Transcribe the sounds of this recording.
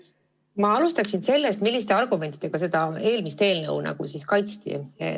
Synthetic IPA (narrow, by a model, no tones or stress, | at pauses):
mɑɑlust̪ɑksinse̞lːest̪milːist̪e̞ɑrɡ̥ume̞nt̪id̪̥e̞ɡ̥ɑse̞d̪̥ɑe̞ːlmist̪e̞ːlnɤ̰wnɑ̰ɡ̥usiskɑjt̪st̪ḭḛ